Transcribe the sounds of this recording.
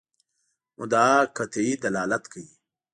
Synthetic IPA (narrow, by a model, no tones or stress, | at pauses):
mʊ̰̃d̪aːkʰɐt̪ʰiid̪ɐlaːlɐt̪kʰəi